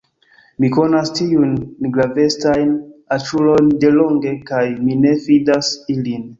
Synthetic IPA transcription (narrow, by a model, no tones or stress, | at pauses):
miko̞nastiunɡɾave̞stajnat͡ʃulo̞nde̞lo̞ŋɡe̞kajmine̞vidasilin